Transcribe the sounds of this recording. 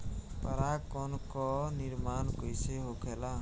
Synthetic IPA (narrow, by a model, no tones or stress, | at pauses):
pəɾakɔnkɔniɾmankojseɦokʰela